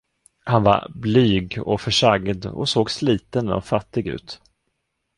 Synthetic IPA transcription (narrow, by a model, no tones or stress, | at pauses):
hanva̰ɾblyːɡɔfœʂaɡd̪ɔ̰soːɡsliːt̪ənɔ̰fat̪ːɪɡʉ̟̰ːt̪